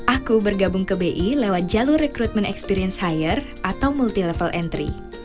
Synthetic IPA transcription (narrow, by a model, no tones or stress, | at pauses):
ʔakubərɡabʊŋkəbeʔilewat̪̚d͡ʒalurɛkɾut̪̚mɛnɛ̰kspiɾiənshajər | ʔat̪awmult̪ilɛfəlʔɛnt̪ɾḭ